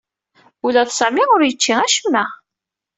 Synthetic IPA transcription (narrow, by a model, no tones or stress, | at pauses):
ulæθsæmiʊɾjət͡ʃːiʁæʃəmːæ